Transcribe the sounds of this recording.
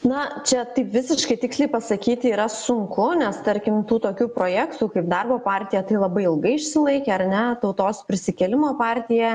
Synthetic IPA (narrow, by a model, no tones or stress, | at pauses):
nɐt͡ʃʲɛt̪ɐɪpʋʲɪsʲɪʃkɐɪt̪ʲɪksʲlʲɛɪpɐsɐkʲiːt̪ʲɪiːɾɐsʊŋkʊnʲɛst̪ɐɾʲkʲɪmt̪uːt̪oːkʲuːpɾoːjæːkt̪uːkɐɪp̚d̪ɑrboːpɑːrʲt̪ʲɪjɛt̪ɐɪlˠɐbɐɪɪlˠɡɐɪɪʃʲsʲɪlˠɐɪkʲɛɐrnʲɛt̪ɐʊt̪oːspʲɾʲɪsʲɪkʲɛlʲɪmoːpɑːrʲt̪ʲɪjɛ